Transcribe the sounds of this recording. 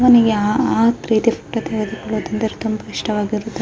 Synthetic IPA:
ʋɐniɡeaaːt̪ɾiːd̪efɐk̚ʈːɐt̪eʋɐd̪ikuɭoːd̪ɐnd̪ɐɾet̪umbɐiʂʈɐʋaːɡiɾut̪ː

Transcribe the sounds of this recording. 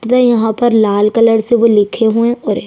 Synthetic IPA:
d̪ajɐɦãpɐɾlaːlkɐləɽseʋolɪkʰeɦuẽɔɾe

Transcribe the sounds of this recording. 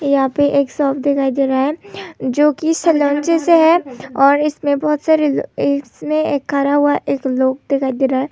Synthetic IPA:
jɐɦãːpeʔeːksɔːpd̪ekʰaːid̪eːɾaːɦɛːd͡ʒoːkisɐlɔ̃ːnt͡ʃeseɦɛɔːɾɪsmẽbɔɦʊt̪saɾɪsmẽeːkʰːaɾaɦʊaʔeːkloːɡ̚d̪ekʰaːid̪eːɾaːɦɛː

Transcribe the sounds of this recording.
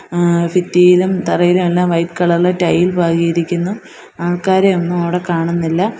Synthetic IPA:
fitːijilumt̪ɐrɐjilumelːaːmʋɐjpkɐɭɐɭːɐʈɐjːilbʱaːɣijiɾikʲːunːu | aːɭkaːɾeonːumɐʋɽe̞kaːɳunːilːɐ

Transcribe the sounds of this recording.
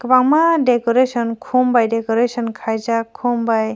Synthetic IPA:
kəbaŋmadekɔɾesɔnkʰumbajdekɔɾesɔnkʰajzakʰumbaj

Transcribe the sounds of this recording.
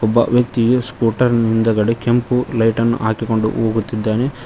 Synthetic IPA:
ɔbːɐ̰ʋjɐk̚t̪ijuskuːʈɐɾnind̪ɐɡɐɽekempulɐjʈɐnːṵʔaːkiko̞ɳɖṵʔoːɡut̪ːid̪ːaːne

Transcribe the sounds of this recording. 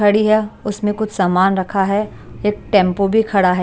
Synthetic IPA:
ɐɽiɦɛʊsmẽkʊt͡ʃʰsaːmaːnɾɐkʰaɦɛ | eːk̚ʈɛ̃ːmpobʱikʰɐɽaɦɛ

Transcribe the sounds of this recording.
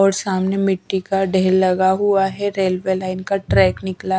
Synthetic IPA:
ɔːɾsaːmnemɪʈːikaɖʱɛɦːɾlɐɡaɦuaɦɛɾeːlʋelaːɪnkaʈɾɛːknɪkla

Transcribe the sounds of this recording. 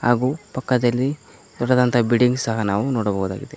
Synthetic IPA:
ɦaːɡuːpɐkːɐd̪ɐlːi | d̪ɔɽɐd̪ɐnt̪ʰɐbiɖiŋɡsɐɦɐnaːʋunoːɽɐbɐɦuːd̪a̰ːɡid̪e

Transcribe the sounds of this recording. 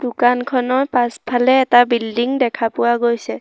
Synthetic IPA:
d̥ʊkankʰɔnɔpaspʰalɛːtabildiŋdɛkʰapʊwaɡojsɛ

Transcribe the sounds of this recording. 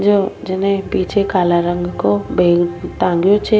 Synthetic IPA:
d͡ʒod͡ʒɪnẽpiːt͡ʃʰekaːlaɾə̃ŋɡkobʱeːɡʈ̪ãːŋɡjot͡ʃʰe

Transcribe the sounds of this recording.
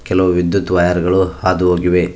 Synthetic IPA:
kɛlɐʋuʋid̪jut̪ʋɐjaɾɡɐɭuhaːd̪uɦoːɡiʋe

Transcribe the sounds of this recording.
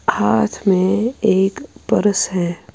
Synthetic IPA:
haːt̪ʰmẽeːkpəɾəsɦɛː

